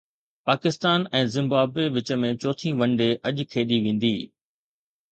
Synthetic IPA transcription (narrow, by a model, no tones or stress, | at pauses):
paːkɪst̪aːnɛ̃ːzɪ̃mbaːbweʋɪt͡ɕə̆mẽt͡ɕɔːt̪ʰĩʋɐ̃ɳɖeʔɐʄkʰeːɗiʋẽːn̆d̪iː